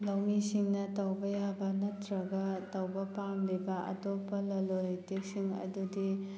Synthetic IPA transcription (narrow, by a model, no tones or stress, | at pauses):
lɐwmisiŋnɐtɐwbɐjabɐnɐtɾɐɡɐtɐwbɐpamlibɐʔɐ̰topːɐlɐloɾjtek̚siŋɐ̰dudi